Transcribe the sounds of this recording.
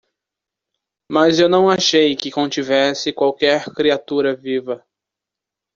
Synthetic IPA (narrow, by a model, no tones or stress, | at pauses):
mɐzewnɐ̃w̃aʃejkɪkõt͡ʃivɛsɪkwawkɛɾkɾiat̪uɾɐvivɐ